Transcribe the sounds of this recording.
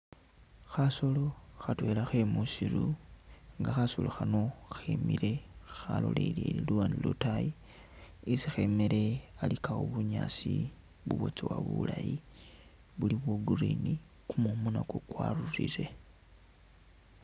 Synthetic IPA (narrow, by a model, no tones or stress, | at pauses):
xaso̞lo̞xatwe̞laxemusiɾu | ŋɡaxasuloxano̞xemiɾe̞xalo̞̰lḛleliluwanilotaji | isixe̞meɾe̞alikawoβuɲasi | βuβo̞t͡sewaβulaji | βuliβwoɡurini | kumomunakokwarurḭɾe̞